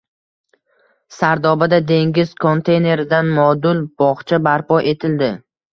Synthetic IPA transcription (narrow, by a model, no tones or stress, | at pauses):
saɾd̪ɒbad̪ad̪e̞ŋɡʲɪz̥kʰo̞nt̪ʰe̞jne̞ɾɪd̪anmɒd̪ʊlˠb̥ɒχt͡ʃʰabaɾpɒʔe̞t̪ʰɪld̪ɪ